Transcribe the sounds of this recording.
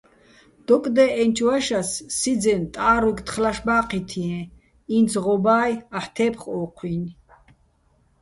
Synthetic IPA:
d̪̥ɔkʼd̪ɛʔɛnt͡ʃʰwaʃasːid͡zɛnt̪ʼaːɾukt̪ʰχlaʃbaːqʰit̪ʰiɛ̃ | int͡sʰʁɔbaːjaħt̪ʰɛːpʰχɔːqʰwin

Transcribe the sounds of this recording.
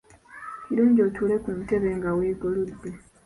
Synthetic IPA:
kiɾuːɲɟoːtule̞kun̩te̞βeŋɡaweːɡoludːe

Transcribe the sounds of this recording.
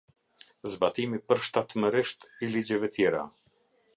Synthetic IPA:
zbat̪imipəɾʃt̪at̪məɾiʃt̪ilid͡ʑɛvɛt̪ʰjɛɾa̰

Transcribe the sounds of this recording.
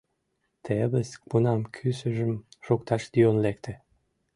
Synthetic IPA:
t̪ʰeβəspunɑmkʰysə̆ʒə̆mʃokt̪ɑʃd̪ionlekt̪ʰĕ

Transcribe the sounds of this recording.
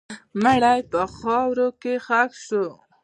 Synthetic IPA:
məɽajpəxɑwɾokexakʃo

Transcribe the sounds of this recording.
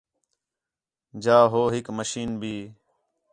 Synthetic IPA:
d͡ʒaːɦoːɦɪkməʃiːnbʱiː

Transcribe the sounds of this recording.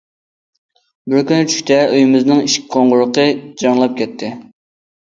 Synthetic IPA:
bɪɾkʲynɪt͡ʃʰy̥ʃʲt̪ʰɛʔyjimɪznɨŋiʃkʲqʰoɴʁʊɾəqəd͡ʒɑŋlˠɑp̚kʲɛt̪ʰːɪ

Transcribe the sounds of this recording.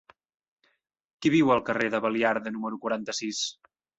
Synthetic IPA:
kiβiwəlˠkəreðəβəliaɾðənuməɾukwuɾant̪əsis

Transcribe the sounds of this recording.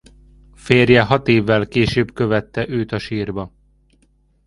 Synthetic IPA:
feːrjɛɦɒt̪eːvːɛlkeːʃøːbkø̞vɛt̪ːɛʔøːt̪ɒʃiːrbɒ

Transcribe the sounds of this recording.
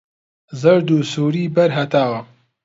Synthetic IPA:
zəɾd̪usuːɾiːbɐɾɦɐt̪aːwɐ

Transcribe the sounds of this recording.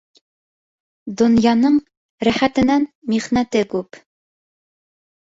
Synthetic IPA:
d̪ŏnjɑnɤɴ | ɾæχæt̪ɘ̆nænmiʁnæt̪ɘkʉp

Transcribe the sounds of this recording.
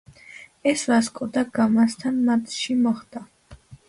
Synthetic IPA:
ɛsvaskʼɔd̪aɡamast̪ʰanmat̪ʰʼʃimɔχd̪a

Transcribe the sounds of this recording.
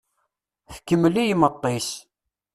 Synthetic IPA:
θə̥kːəmːlijmət̪ˤːis

